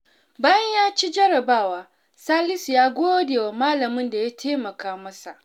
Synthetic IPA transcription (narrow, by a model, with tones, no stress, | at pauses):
baː˦jɐ˦ɲjaː˦t͡ʃi˦d͡ʒɐ˦ɾɐ˨baː˦˨waː˦ | saː˦lɪ˦sjaː˦ɡʷoː˦deː˨wa˨maː˦lɐ˨mɪ˦nda˨jaː˦tʰeː˦mɐ˨kaː˦mɐ˦sa˨ʔ